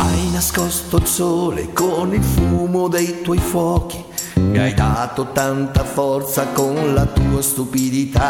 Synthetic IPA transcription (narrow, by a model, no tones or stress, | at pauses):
ajnaskɔst̪oilsoːlḛkonilfumod̪ejt̪wɔjfwɔːk̟i̥ | miajd̪at̪ot̪ant̪afɔrt̪sakonlat̪uːast̪upid̪it̪a